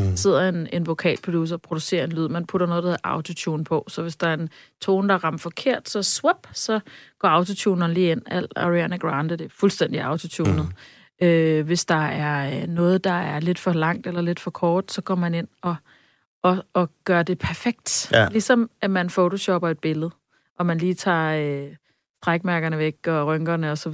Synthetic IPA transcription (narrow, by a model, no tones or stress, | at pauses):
se̝ð̰ˠɐe̝ne̝nʋo̝kʰɛ̰ːlpʰod̥us̬ɐpʰʁo̝d̥use̝̰ːɐe̝nlyð̞̰ˠmænpʰuɾ̥ɐnɔ̽ːð̞ˠd̥ɑʔɑ̈ʊt͡sʰo̝t͡sʰuːnpʰɒ̽sɒ̽ʋe̝sd̥ɑ̈æɐe̝n | t͡sʰo̝ːnd̥ɑ̈ʁɑ̈m̰ɐfɒ̽kʰe̝ɐ̰d̥sɒ̽swob̥sɒ̽ɡ̥ɒ̰ːɑ̈ʊt͡sʰo̝t͡sʰuːnɐn̩liːen̰æl̰ɑ̰ʁiænəɡ̥ʁɑ̈nd̥əd̥e̝ɐfulsd̥en̰d̥iɑ̈ʊt͡sʰo̝t͡sʰuːnð̩ˠ | øʋe̝sd̥ɑ̈æɐnɔ̽ːð̞̩ˠd̥ɑ̈æɐle̝d̥fɒ̽lɑ̈ŋ̰d̥elɐle̝d̥fɒ̽kʰɒːd̥sɒ̽ɡ̥ɒ̰mæne̝n̰ɒ̽ | ɒ̽ːɡ̥ɶːɐd̥e̝pʰæɐfeɡ̥̚d̥lisɒ̽mʔæmænfot͡sʰo̝ɕɒb̥ɐe̝d̥̚b̥e̝ləð̞̩ˠ | ʔɒ̽mænliːt͡sʰɑ̰̈ːø | sd̥ʁaɡ̥̚mæɐɡ̥ɐnəʋeɡ̥ɒ̽ʁœŋɡ̥ɐnəɒ̽sɒ̽